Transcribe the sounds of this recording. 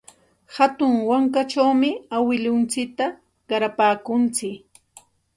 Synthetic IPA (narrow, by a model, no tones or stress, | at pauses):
hat̪ʊŋwaŋkat͡ʃawmɪawɪlʊnt͡sɪk̚t̪a | ɢɑɾapaːkʊnt͡sɪk